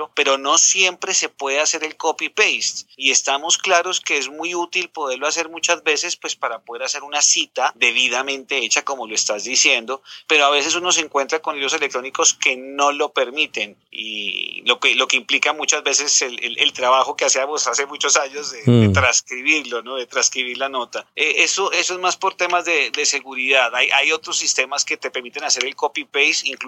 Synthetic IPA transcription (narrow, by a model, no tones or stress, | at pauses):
ope̞ɾo̞no̞sje̞mpɾe̞se̞pwe̞ðease̞ɾe̞lko̞pipejst̪ie̞st̪amo̞sklaɾo̞ske̞ezmujut̪ilpo̞ð̞e̞ɾlo̞ase̞ɾmut͡ʃazbe̞se̞spwe̞spaɾapo̞ðe̞ɾase̞ɾunasit̪ad̪e̞βiðamẽ̞nt̪e̞et͡ʃako̞mo̞loest̪azd̪isje̞nd̪o̞pe̞ɾoaβe̞se̞suno̞s̬eŋkwe̞nt̪ɾako̞nliðɾoselek̚t̪ɾo̞niko̞ske̞no̞lo̞pe̞ɾmit̪e̞n | ḭlo̞kelo̞ke̞implikamut͡ʃazbe̞s̬e̞selḛlʔelt̪ɾaβaxo̞keasiamosase̞mut͡ʃo̞saɲo̞zedet̪ɾaskɾiβiɾlo̞noðet̪ɾaskɾiβiɾlano̞t̪aeʔesoʔe̞soe̞zmaspo̞ɾt̪e̞mazd̪ed̪e̞se̞ɣuɾiðaðajʔajo̞t̪ɾosːist̪e̞maske̞t̪epe̞ɾmit̪e̞nase̞ɾe̞lko̞pipejsiŋk